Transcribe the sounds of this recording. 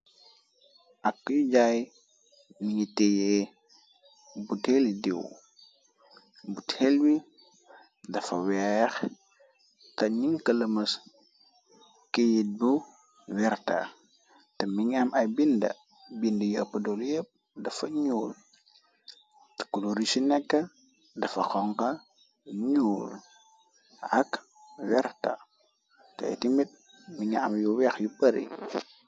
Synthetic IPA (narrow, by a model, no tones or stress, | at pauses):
ʔakːujuɟaj | niŋitɛje | butelidḭw | buthɛlwi | dɐfɐ̰wɛɾ | kɐɲiŋkɐləmɐs | kejit̚bu | wɛɾta̰ | tɐmiɲamʔɐbindɐ̰ | bindəjəpːɐdoljəp̚ | dɐfɐɲuːl | tə̥kuluɾisinɛkːɐ | dɐfɐxɔŋkɐ | ɲuːl | ɐk | wɛrta̰ | tɐ̰j̰timit̚ | miɲamjuwɛxjupɐɾḭ